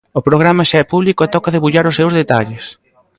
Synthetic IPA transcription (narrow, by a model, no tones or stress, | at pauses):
opɾoɣ̞ɾamɐʃaɛpuβlikoɛt̪ɔkɐðeβuʎaɾʊsːewzðet̪a̰ʎɪs